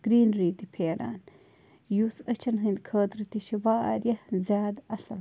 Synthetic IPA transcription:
ɡ̥ɾiːnɾiːt̪ipʰeːɾa̰ːn | jusɐt͡ʃʰɐnɦɨnd̪kʰəːt̪ɾit̪iʃiʋaːa̰ɾjɐhzjaːd̪ɐsɐl

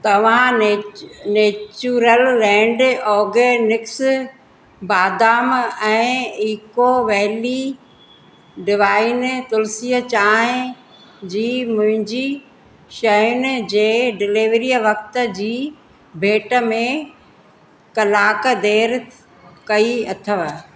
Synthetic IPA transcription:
t̪ɐʋ̤ã | neːt͡ʃuɾəlːɛ̃ːɳɖɔːɡenɪks | baːd̪aːmɛ̃ːiːkoʋɛːli | ɖɪʋaːɪnt̪ʊlsiːət͡ɕaːɦɪ̃ | d͡ʑiːmʊ̃ɦɪ̃ɲd͡ʑi | ʃɐjʊnd͡ʑeːɖɪliʋɾijəʋɐk̚t̪ə̆d͡ʑiː | bʱeːʈə̆mẽ | kɐlaːkəd̪eːɾ | kɐiɐt̪ʰəʋ

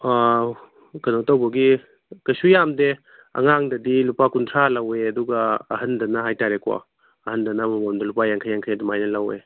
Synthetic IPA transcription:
ɡɐnotawbɐɡi | kɐsujamde | ɐ̰ŋaŋdɐdilupakuntʰɾalɐweɐduɡɐ̰ːɦɐndɐnɐɦajtaɾekʰɔ̰ | ɐhɐndɐnɐmɐmɔmdɐlupajaŋkʰajaŋkʰajadimajnɐlɐwḛ

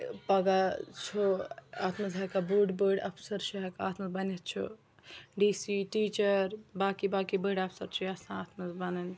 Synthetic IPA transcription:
pɐɡat͡ʃʰoat̪ʰmɐzɦakabuɖbəɖɐ̰pʰsɐɾt͡ʃʰiɦakaaːt̪ʰmɐzbɐnet̪̚t͡ʃʰṵ | ɖisiʈit͡ʃəɾbaːkibaːkibəɖɐpʰsɐɾt͡ʃʰiɐsãaːt̪ʰmɐzbɐnən

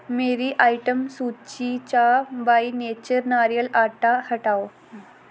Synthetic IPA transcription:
meɾiʔɐjʈɐmsut͡ɕːit͡ɕaːʋɐjneːt͡ɕɐɾnaːɾijɐlaːʈːahɐʈaw

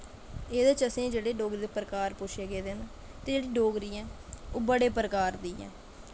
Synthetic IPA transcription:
eːd̪at͡ʃəsẽːd͡ʒeːɽeːɖoːɡɾid̪eːpəɾəkaːɾpʊʃʰeːɡeːd̪en | t̪eːd͡ʒeːɽiːɖoːɡɾiːãːoːbəɽeːpəɾəkaːɾd̪iːɛ̰̃ː

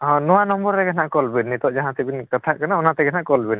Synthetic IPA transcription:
ɔ̃nɔwanɔmbɔɾːɛɡanaʔkɔlbinːit̪ɔʔd͡ʒaɦãt̪ibinkət̪ʰaʔkanaɔnat̪ɛɡanaʔkɔlbin

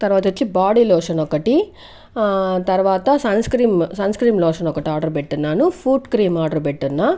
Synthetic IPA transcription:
t̪ɐɾʋaːt̪ɐot͡ʃːibaːɽiloːʂɐnɔkːɐʈi | t̪ɐɾʋaːt̪ɐsɐnskɾiːmsɐnskɾiːmloːʂɐnɔkːɐʈiaːɾɖɐɾpeʈːunːaːnufʰuːʈkɾiːmaːɾɖɐɾpeʈːunːa

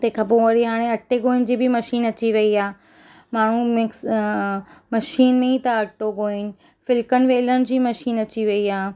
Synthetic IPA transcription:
t̪ekʰãp̬oʋɐɾiɦaːɽ̃ẽɐʈːeɡoːɪnɪ̆d͡ʑiːbɪmɐʃiːnɐt͡ɕiʋɐiaː | maːɳ̤ũmɪks | mɐʃiːnmẽit̪ɐɐʈːoɡoːɪnɪ̆ | fɪlkənɪ̆ʋeːləɽ̃̆d͡ʑiːmɐʃiːnɐt͡ɕiʋɐiaː

